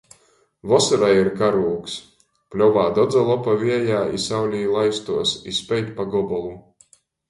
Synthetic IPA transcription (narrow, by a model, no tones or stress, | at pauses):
vɔsɔɾajiɾkaɾuːks | plʲɔvaːd̪ɔd̪zalˠɔpavʲiɛjaːḭsawlʲiːlˠajst̪uɔsispʲɛjt̪ʲpaɡɔbɔlˠu